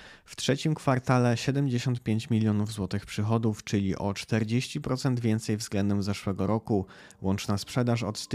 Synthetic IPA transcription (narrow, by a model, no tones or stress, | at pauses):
ft̪ʂɛt͡ɕimkfaɾt̪alɛɕɛd̪ɛmd͡ʑeɕɔnt̪̚pʲjeɲt͡ɕmʲilʲjɔnuvzwɔt̪ɘxpʂɘxɔd̪uft͡ʂɘlʲiʔɔt͡ʂt̪ɛɾd͡ʑeɕt͡ɕipɾɔt̪sɛnd̪vʲjɛnt̪sɛjvzɡlɛnd̪ɛmzɛʂwɛɡɔɾɔku | wɔnt͡ʂnaspʂɛd̪aʂɔt̪st̪